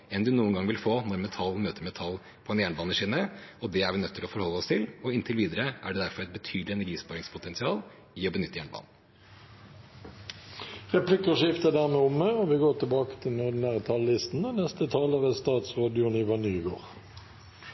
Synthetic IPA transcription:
ɛnd̪ʉnuːənɡɑŋʋɪlfoːnɔɾmɛt̪ʰɑlːmøːt̪əɾmɛt̪ʰɑl | pʰɔɛnjæːɳbɑːnəʂiːnəɔd̪ɛæɾʋɪnœt̪ʰːɪlɔfɔɾhɔlːəɔst̪ʰɪlɔɪnt̪ʰɪlʋiːd̪əɾəʔæɖɛd̪æɾfɔɾɛt̪̚bət̪ʰyːd̪lɪɛnæɾɡiːspɑːɾɪŋspʰʊt̪ɛnsɪɑːl | ɪɔbənʏt̪ːəjæːɳbɑ̰ːn̩ | ʁɛplɪkəʂɪft̪əd̪æʁmeːʊməoʋɪɡoːʁt̪ɪlbɑːkə̥t̪ʰɪlnɔdnæːʁət̪ʰɑlːɪst̪n̩ənɛst̪ət̪ʰɑːləʁəst̪ɑːt̪sʁɑːd̪jʊnɪʋɑnyːɡoːʁ

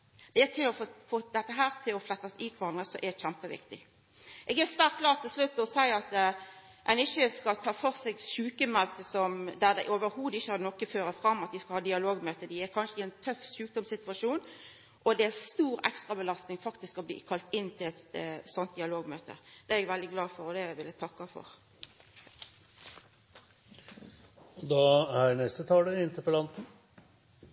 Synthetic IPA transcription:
d̪̥ɛːt̪ʰɪlɔffoːd̪ɛt̪ːəɦæːɾt̪ʰɪlɔflɛt̪ːɑsikʰʋɑɾɑŋəsɔʔɛd̪çæmpəʋɪ̰kt̪ɪ | ʔɛːɡæʁsʋæːʁt̪ɡlɑːʁt̪ʰːɪlslʉt̪ːɔsæɪɑt̪ | ʔænɪçəskɑlt̪ʰɑːfɔʁsɛɡʃʉːkəmɛlt̪əsɔmd̪æʁd̪ɛɪʔoːʋəɾhuːd̪ɪçːəhɑʁnɔkːəføːɾəfɾɑmːɑt̪̚d̪ɪskɑhɑːd̪ɪɑloːɡmøːt̪əd̪ɪækʰɑnʂəɪɛnt̪ʰœfʃʉːk̚d̪ɔmsɪt̪ʉʋɑʂuːn | ʔɔd̪ɛæst̪uːɾɛ̰kst̪ʁɑbəlɑst̪nɪŋfɑkt̪ɪskɔblḭːkʰɑlt̪ɪnːt̪ʰɪlɛt̪sɔnt̪̚d̪ɪɑloːɡmøːt̪ə̰d̪̥ɛɛɛɡʋɛld̪ɪɡlɑːfɔɾɔd̪ɛʋɪlæt̪ʰɑkːɑfɔ̰ʁ | ɔd̪ɑːæɾnɛst̪ət̪ʰɑːləɪnt̪ɪpəlɑnt̪n̩

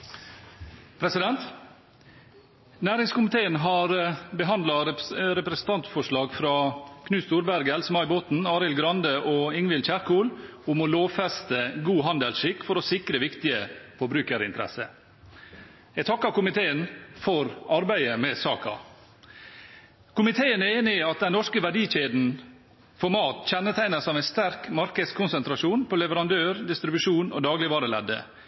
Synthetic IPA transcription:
pʰɾɛsɪd̪ɛnt̪ | næːɾɪŋskʊmɪt̪ʰeːənɦɑːɾbəɦɑnd̪lɑɾɛpɾɛsn̩t̪ʰɑnt̪fɔʂɭɑːɡfɾɑːkʰnʉːst̪uːɾbæɾɡɛlsəmɑɪboːt̪n̩ɑːɾɪlɡɾɑnd̪əʔoːɪŋʋɪlc͡çæɾkʰuːlʊmɔloːʋfɛst̪əɡuːɦɑnd̪əlsʃɪkːfɔɾɔsɪkɾəʋɪkt̪ɪəfɔɾbɾʉːkəɾɪ̰nt̪əɾɛ̰sə | ɛt̪ʰɑkːɑkʊmɪt̪ʰeːənfɔɾɑɾbæɪəmɛsɑːkɑ̰ | kʊmɪt̪ʰeːəneːnɪɑt̪̚d̪ɛnːɔʂkəʋæɖiːçeːd̪n̩ | fɔɾmɑːt̪çɛnːət̪ʰæɪnəsɑːʋæɪnst̪æɾkmɑɾkəskʰʊnsɛnt̪ɾɑʂuːnpʰɔlɛʋəɾɑnd̪øːɾd̪ɪst̪ɾɪbʉʂuːnɔ̰ːd̪ɑːɡlɪʋɑːɾəlɛd̪ːə̰

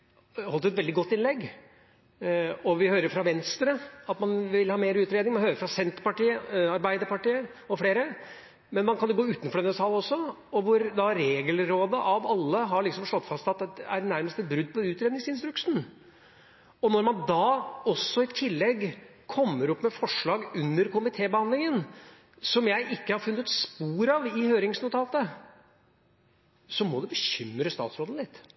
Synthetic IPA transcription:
hɔlt̪ʉːɛt̪ʋɛld̪ɪɡɔt̪ːɪnlɛɡ | ɔʋɪhøːɾəɾfɾɑʋɛnst̪ɾəɑt̪mɑnʋɪlhɑːmeːɾəʉːt̪ɾeːd̪nɪŋmɑnhøːɾəɾfɾɑsɛnt̪pɑʈiːəɑɾbæɪd̪əɾpɑʈiːə | ɔfleːɾə | mɛnmɑnkɑnɛɡoːʉːt̪nfɔɖ̪ɛnːəsɑːlɔsːɔ | ɔʋʊɾd̪ɑɾeːɡəlɾoːd̪əʔɑʋɑlːəɦɑɾɭɪksɔmʂɭɔt̪ːfɑst̪ɑt̪ɛæɾnæɾməst̪ɛt̪̚bɾʉd̪ːpʰɔʉːt̪ɾeːd̪nɪŋsɪnst̪ɾʉkʂn̩ | ɔnɔɾmɑnd̪ɑːɔsːɔɪt̪ʰɪlːɛɡːkʰɔmːəɾɔpːmɛfɔʂɭɑːɡʉnːəɾkʊmɪt̪ʰeːbəhɑnd̪lɪŋən | sɔmjæɪʔɪkːəhɑɾfʉnːət̪spuːɾɑʋɪhøːɾɪŋsnʊt̪ʰɑːt̪ə | sɔmɔd̪ʉbəɕʏmɾəst̪ɑ̰ːt̪sɾoːd̪n̩lɪt̪ː

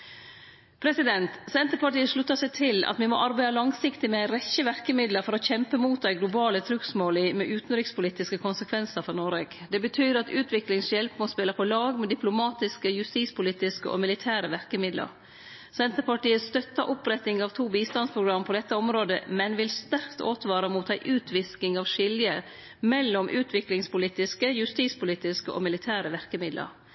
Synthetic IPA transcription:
pʰɾɛsɪd̪ɛnt̪sɛnt̪əpɑʈiːəʂɭʉt̪ːɑsɛɪt̪ʰɪlɑ̰t̪ʋɪmɔ̰ʔɑɾbæɪɑlɑŋsɪkt̪ɪmɛæɾɛçəʋæɾkəmɪd̪ləɾfɔɾɔçɛmpəmuːt̪̚d̪ɛɪɡlʊbɑːlət̪ʰɾʉksmoːlɪmɛʔʉːt̪n̩ɾɪkspʊliːt̪ɪskəkʰʊnsəkʰʋɛnsəɾfɔnɔːɾeːɡd̪ɛbət̪ʰyːɾɑt̪ʉːt̪ʰʋɪklɪŋsjɛlpmospɪlːəpʰɔlɑːɡmɛd̪ɪpʰlʊmɑːt̪ɪskəjʉst̪iːspʰʊliːt̪ɪskəʔɔ̰mɪlɪt̪ʰæːɾəʋæɾkəmɪd̪lə̰ɾ | sɛnt̪əɾpɑʈiːəst̪œt̪ːɑʔʊpɾɛt̪ɪŋɑʋt̪ʰuːbiːst̪ɑnspʰɾʊɡɾɑmːpʰɔd̪ɛt̪ːəɔmɾoːd̪ə̰mɛnʋɪlst̪æɾkt̪o̰ːt̪ʋɑːɾəmuːt̪ʰæɪʔʉːt̪ʰʋɪskɪŋɑʋʂɪljə | mɛlːɔmʔʉːt̪ʰʋɪklɪŋspʊliːt̪ɪskəjʉst̪iːt̪spʊliːt̪ɪskəʔo̰mɪlɪt̪ʰæːɾəʋæɾkəmɪd̪lə̰ɾ

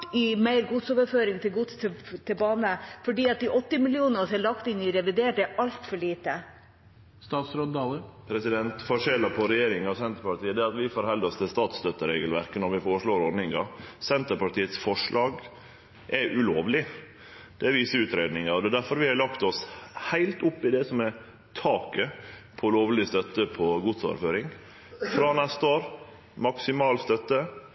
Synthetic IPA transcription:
ɪmæɪɾɡʊt̪soːʋəɾføːɾɪŋt̪ʰɪlɡʊt̪st̪ʰt̪ʰɪbɑːnəfɔɖiːɑt̪̚d̪ɪʔɔt̪ːɪmɪlɪuːnəsɛlɑkt̪ɪnɪɾɛʋɪd̪eːʈ̚d̪ɛʔɑlt̪fɔɭiːt̪ə | st̪ɑːt̪sɾɔnd̪ɑːləpʰɾɛsɪd̪ɛnt̪fɔʂɛlːəpʰɔɾɛjeːɾɪŋɑʋsɛnt̪əɾpɑʈiːəd̪ɛɑt̪ʋɪfoɾhɛld̪ɔst̪ɪlst̪ɑːt̪st̪œt̪ːəɾeːɡəlʋæɾkənɔɾʋɪfoːɾəʂɭoːɾɔɾnɪŋɑsɛnt̪əɾpɑʈiːət̪sfɔʂɭɑːɡ | ʔɛʔʉloːʋlɪ | d̪̥ɛːʋiːsəʉːt̪ɾeːd̪nɪŋɑɾɔd̪ɛːd̪æɾfɔɾʋɪhɑlɑkt̪ɔshæɪlt̪ʊpːɪd̪ɛsɔmɛ | t̪ʰɑːkəpʰɔloːʋlɪst̪œt̪ːəpʰɔɡʊt̪sɑ̰ɾføːɾɪŋ | fɾɑːnɛst̪əoːɾ | mɑksɪmɑːlst̪œt̪ːə

